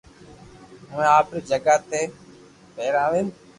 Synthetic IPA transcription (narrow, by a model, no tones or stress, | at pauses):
əʋẽːaːpɾeːd͡ʒəɡaːt̪eː | peːɾaːʋẽːn